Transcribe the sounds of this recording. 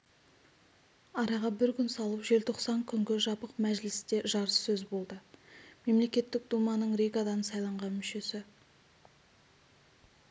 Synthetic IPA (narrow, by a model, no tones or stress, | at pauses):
ɑɾɑʁɑbɪɾkʲʏnsɑlˠəpʒe̞lt̪ʰo̞qsɑŋkʲʰʏŋɡʲɪʒɑpəqmæʒlɪst̪e̞ʒɑɾəsːɵzbo̞lˠd̪əme̞mle̞kʲe̞t̪ːɪk̚d̪umɑnəɴɾejɡɑd̪ɑnəsɑjlˠɑɴʁɑnmʏʃe̞sɪ